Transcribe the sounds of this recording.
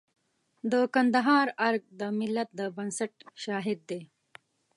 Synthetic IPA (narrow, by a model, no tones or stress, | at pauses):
d̪əkɐnd̪əɦaːɾɐɾɡ̚d̪əmɪlːɐt̪̚d̪əbɐnsɐʈɕaːɦid̪ːeː